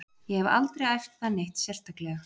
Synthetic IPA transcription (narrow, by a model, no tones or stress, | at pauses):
jɛhɛva̰lt̪ɾejajft̪θanejht̪sjɛr̥t̪aklɛ